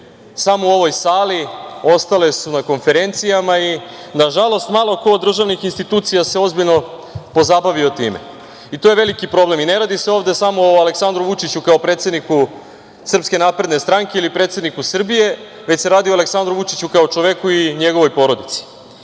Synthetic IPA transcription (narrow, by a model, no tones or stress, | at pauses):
samouo̞ʋo̞jsaːlio̞st̪ale̞sunako̞nfe̞ɾe̞nt̪sijamai | naʒalˠo̞st̪maːlˠo̞koːd̪ːr̩ʒaʋnixinst̪it̪uːt̪sijase̞o̞zbiʎno̞ | po̞zabaʋiot̪iːmḛ | it̪oːje̞ʋe̞likipɾo̞ble̞mine̞ɾaːd̪iseovd̪e̞samo̞oale̞ksand̪ɾuʋut͡ʃit͡ɕukao̞pɾet̪se̞d̪niku | sr̩pske̞naːpɾe̞d̪ne̞st̪ɾaŋke̞ilipɾe̞ːt̪se̞d̪nikusr̩bije̞ | ʋe̞t͡ɕseɾaːd̪ioale̞ksand̪ɾuʋut͡ʃit͡ɕukaot͡ʃoʋe̞kuiɲe̞ɡo̞ʋojpo̞ːɾo̞d̪it̪si̥